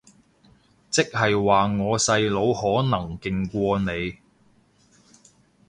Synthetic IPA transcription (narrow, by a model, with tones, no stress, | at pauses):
t͡sɪ˥k̚hɐ˨jwaː˨ŋɔː˨˧sɐ˧jlo˨˧whɔː˨˥nɐ˨˩ŋkɪ˨˧ŋkʷɔː˧ne˨˧j